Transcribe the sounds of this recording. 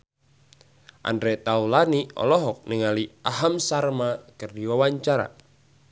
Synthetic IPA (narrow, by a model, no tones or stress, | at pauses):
ʔa̰ndɾɛt̪aulaniɔ̰lɔɦɔk̚niŋaliaɦamsarmakɨrdiwawaɲt͡ʃaɾa̰